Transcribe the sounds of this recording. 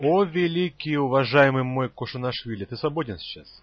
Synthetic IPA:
ovʲɪlʲikʲijʊvɐʐajɪmɨjmojkʊʂɨnɐʂvʲilʲɪt̪ɨsvɐbodʲɪnsʲt͡ɕːas

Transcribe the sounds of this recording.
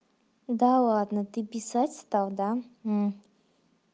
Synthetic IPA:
d̪alˠad̪nət̪ɨpʲɪsatʲst̪alˠd̪a

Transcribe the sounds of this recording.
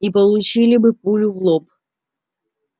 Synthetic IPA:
ipəlˠʊt͡ɕilʲɪbɨpulʲʊvlˠop

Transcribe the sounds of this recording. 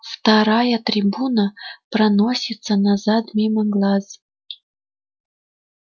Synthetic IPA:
ft̪aɾajət̪ɾʲibunəpɾɐnosʲit̪sənazat̪mʲiməɡlˠaz

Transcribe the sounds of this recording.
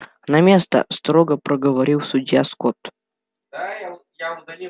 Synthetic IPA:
nɐmʲe̞st̪ə̰st̪ɾoɡəpɾəɡəvɐɾʲiwsʊdʲjaskot̪

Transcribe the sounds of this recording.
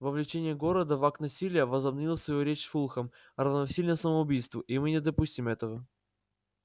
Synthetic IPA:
vəvlʲɪt͡ɕenʲɪjəɡo̞ɾəd̪əvaknɐsʲilʲɪjəvəzɐbnʲilˠəsvɐjuɾʲet͡ɕsfulˠxəm | ɾəvnɐsʲilʲnəsəməʊbʲijst̪vʊʔimɨnʲɪd̪əpusʲtʲimɛt̪əvə

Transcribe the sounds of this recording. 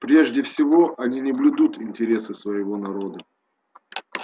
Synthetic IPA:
pɾʲe̞ʐdʲɪfsʲɪvo̞ʔɐnʲinʲɪblʲɪd̪ut̪ɪnʲtʲɪɾʲe̞sɨsvɐjɪvo̞nɐɾo̞d̪ə

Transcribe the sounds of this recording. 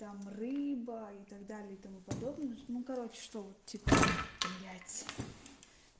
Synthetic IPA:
t̪amrɨbəit̪ɐɡd̪alʲɪəit̪ɐmupɐd̪o̞bnənukɐɾo̞t͡ɕɪ̥ʂt̪o̞vot̪tʲːipəpɐmɾʲæjt̪sʲə̥

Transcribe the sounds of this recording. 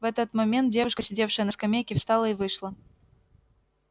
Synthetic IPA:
vɛt̪ət̪mɐmʲe̞nt̪̚dʲevʊʂkəsʲɪdʲe̞fʂɨjənəskɐmʲejkʲɪfst̪ɑlˠəɪvɨʂlˠə

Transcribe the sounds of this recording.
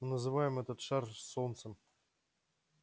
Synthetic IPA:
mɨnəzɨvajɪmɛt̪ət̪ʂarsont̪səm

